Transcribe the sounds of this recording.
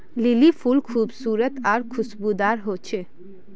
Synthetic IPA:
lɪlifʰulkʰuːbsuːɾət̪aːɾkʰʊsbud̪aːɾɦot͡ʃʰe

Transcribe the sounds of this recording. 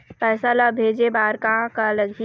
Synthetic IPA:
pɛːsalabʱeːd͡ʒebaːɾkãkaləɡʱi

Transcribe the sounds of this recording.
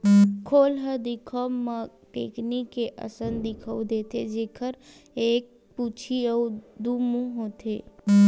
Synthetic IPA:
kʰoːlɦəd̪ɪkʰəwmə | keːknikeʔə̰sənd̪ɪkʰəd̪eːt̪ed͡ʒeːkʰəɾ | eːk̚ | put͡ʃʰiəud̪umũɦoːt̪eː

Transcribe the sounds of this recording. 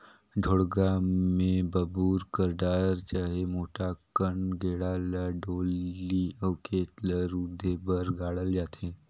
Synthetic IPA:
ɖʱoːɽɡaːmẽbəbuːɾkəɾd̪aːɾt͡ʃaːɦemoːʈakəɳɡʱeːɽalaɖoːliəːkeːt̪ləɾud̪ʱːebəɾɡaːɽəld͡ʒaːt̪ẽː

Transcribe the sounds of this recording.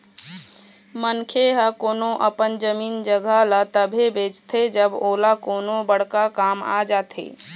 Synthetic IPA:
mənkʰeɦəkoːnoʔəpənd͡ʒəmiːnd͡ʒəɡʱalat̪əbʱebeːt͡ʃt̪ʰed͡ʒəboːlakoːnobəɽ̤kakaːma̰d͡ʒaːt̪ʰḛː

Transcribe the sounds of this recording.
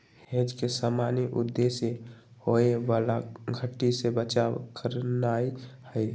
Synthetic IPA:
hẽd͡ʒkesamaniʔṵd̪ːesje | hoeʋalaɡʱəʈːisebət͡ʃawkəɾnaihəj

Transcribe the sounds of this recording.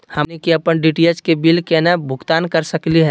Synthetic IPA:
hɐnekiɐpənɖiːʈiət͡ʃkebilkenabʱʊɡt̪aːnkɐɾsəkliɦɛː

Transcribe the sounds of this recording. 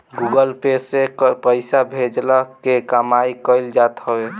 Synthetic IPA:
ɡuɡəlpesepəɪsabʱed͡ʒləkekəmajkəɪld͡ʒat̪ɦəe

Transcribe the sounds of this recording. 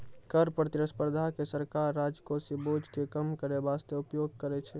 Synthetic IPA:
kəɾpɾət̪iɾəspəɾd̪ʱakesəɾkaɾːad͡ʒkosibod͡ʒkekəmkəɾebast̪eupjoɡ̚kəɾɛt͡ʃʰɛ

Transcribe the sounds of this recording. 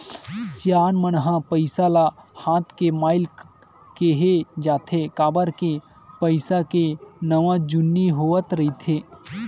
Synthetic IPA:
sjaːnmənɦãpəɪsalahãːt̪ʰkemaːɪl | keɦed͡ʒaːt̪ʰekaːbəɾke | pəɪsakenəʋãd͡ʒʊnːiɦoət̪ɾɐit̪ʰeː

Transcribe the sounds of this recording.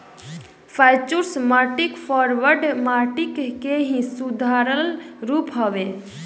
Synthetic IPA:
pʰaɪt͡ʃuɾsmaːʈikpʰɔɾʋəɾɖmaʈikːeɦĩsud̪ʱaɾəlɾuːpɦɔʋe

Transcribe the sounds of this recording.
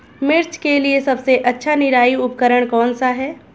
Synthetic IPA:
mɪɾt͡ʃkeliesɐbseʔɐtːʃʰanɪɾaːiʊpkəɾəɽ̃kɔːnsaɦɛː

